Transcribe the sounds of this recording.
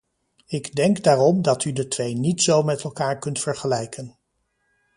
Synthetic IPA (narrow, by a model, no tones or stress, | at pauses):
ɪɡdɛŋɡdaːrɔmdɑtydətʋejnitsowmɛtɛlˠkaːɹkɵntfəɹχəlɛjkʰən